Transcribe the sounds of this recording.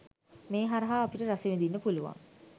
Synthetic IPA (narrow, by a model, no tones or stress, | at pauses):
meːɦaɾɐɦaːpiʈəɾaseʋend̪inːəpuluʋa̰ŋ